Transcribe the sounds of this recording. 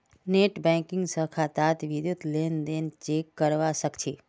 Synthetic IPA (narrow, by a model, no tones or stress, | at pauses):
neʈbɛ̃kɪ̃ŋɡsəkʰat̪at̪ʋid̪jut̪lend̪ent͡ʃekːəɾʋaʃəkt͡ʃʰe